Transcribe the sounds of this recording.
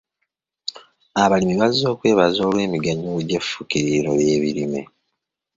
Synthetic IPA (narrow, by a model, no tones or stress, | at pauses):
aβalimiβazo̞ːkwe̞ːβazo̞ːlwe̞ːmiɡaɲuuɟefːukiɾiɾo̞̰βje̞ːβiɾimḛ